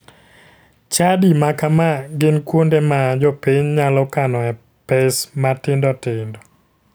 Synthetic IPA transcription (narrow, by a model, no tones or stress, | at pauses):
t͡ʃadimakamaɡɪnkwondemad͡ʒɔpiɲɲalɔkanɔɛ | pɛsmatɪndɔtɪndɔ